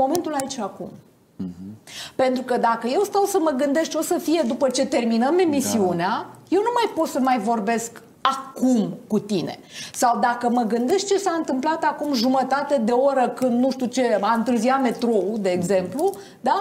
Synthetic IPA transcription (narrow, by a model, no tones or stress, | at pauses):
mo̞ment̪ulait͡ʃakṵm | pe̞nt̪ɾukəd̪akəje̞wst̪awsəməɡɨnd̪e̞st̪o̞səfije̞d̪upət͡ʃe̞t̪e̞rminəme̞misiuneaje̞wnumajpo̞t̪səmajvo̞rbe̞sk | akumkut̪ine̞̰sawd̪akəməɡɨnd̪e̞ʃt̪̚t͡ʃe̞saɨnt̪ɨmplat̪akumʒumət̪at̪e̞d̪e̞oɾəkɨnd̪nuʃt̪ut͡ʃe̞aɨnt̪ɨrziame̞t̪ɾo̞ud̪e̞ːɡze̞mplu | d̪a